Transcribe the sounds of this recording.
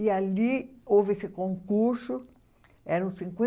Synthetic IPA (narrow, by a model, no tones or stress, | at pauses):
ialiovɪesɪkõŋkuɾsʊ | ɛɾɐũsĩŋkwẽ